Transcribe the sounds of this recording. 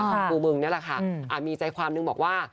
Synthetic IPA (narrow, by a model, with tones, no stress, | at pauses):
uː˧mɯ˧ŋni˥˩ɐlɛ˨˩kʰa˥˩ʔʔaː˨˩miː˧t͡ɕa˧jkʰwaː˧mnɯ˧ŋbɔː˨˩k̚waː˥˩